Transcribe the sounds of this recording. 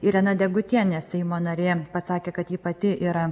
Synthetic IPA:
ɪɾʲɛnɐd̪ʲɛɡʊt̪ʲiɛnʲɛsʲɛɪmoːnɐɾʲeːpɐsɑːkʲeːkɐt̪jiːpɐt̪ʲɪʔiːɾɐ

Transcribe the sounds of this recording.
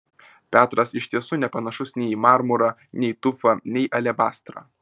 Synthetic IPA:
pʲæːt̪ɾɐsɪʃʲt̪ʲiɛsʊːnʲɛpɐnɐʃʊsnʲɛɪmɑɾmʊɾɐnʲɛɪt̪ʊfɐnʲɛɪʔɐlʲɛbɑːst̪ɾɐ̰

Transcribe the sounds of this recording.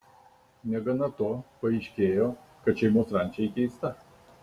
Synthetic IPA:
nʲɛɡɐnɐt̪oːpɐɪʃʲkʲeːjoː | kɐt̪ʃʲɛɪmoːsɾɐˑnʲt͡ʃʲɛɪkʲɛɪst̪ɐ

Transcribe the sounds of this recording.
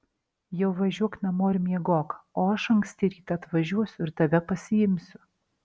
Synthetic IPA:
jɛʊʋɐʒʲuɔknʲɛmoːɪɾʲmʲiɛɡoːkɐoːɐʃɐŋksʲt̪ʲɪɾʲiːt̪ɐɐt̪ʋɐʒʲuɔsʲʊɪɾt̪ɐʋʲɛpɐsʲɪjɪmʲsʲʊ

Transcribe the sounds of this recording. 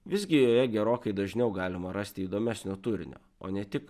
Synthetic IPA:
ʋʲɪzʲɡʲɪjoːjɛɡʲɛɾoːkɐɪd̪ɐʒʲnʲɛʊɡɑːlʲɪmɐɾɑsʲt̪ʲɪiːd̪oːmʲɛsʲnʲoːt̪ʊɾʲɪ̰nʲo̰ːo̰ːnʲɛt̪ʲɪk

